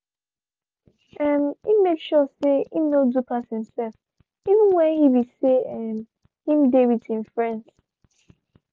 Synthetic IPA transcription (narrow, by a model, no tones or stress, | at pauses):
ɛmhimmekʃɔseimnodupʰashɪ̃msɛlf | ivə̃nwɛ̃nhiwiseɛm | hĩm̩dewithĩmfɹɛ̃nds